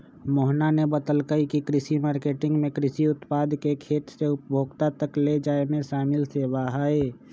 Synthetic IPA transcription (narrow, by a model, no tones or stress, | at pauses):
moɦnanebət̪əlkəikikɾɪsimaːɾkeʈɪ̃ŋɡmẽkɾɪsiʊt̪paːd̪kekʰeːt̪seʊpbʱoːɡt̪at̪əkled͡ʒaːemẽʃaːmɪlseːbaɦaːe